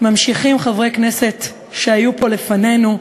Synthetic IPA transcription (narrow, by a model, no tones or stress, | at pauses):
mamʃiχimχavʁejkne̞se̞t | ʃeajupo̞le̞fane̞nu